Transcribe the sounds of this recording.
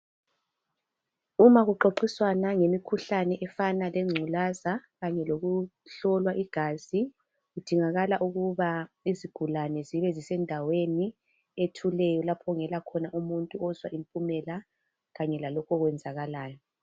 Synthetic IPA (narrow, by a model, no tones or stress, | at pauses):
umaɣuǃoǃiswanaŋemikʰuɬanɛʔɛfanalɛŋ͡ǀʱulazaɣaɲɛloɣuɬɔlwaʔiɡ̥ʱaːzi | ɣud̥ʱiŋaɣalaʔuɣuβa | iziɡ̥ʱulanɛziβɛzisɛndʱaweni | etʰulɛjɔlapʰɔŋɛlakʰɔnaʔumuntʼuɔzwa̰ʔimpʼumɛla | ɣaɲɛlalɔkʰɔɣwɛnd͡zʱaɣalaːjɔ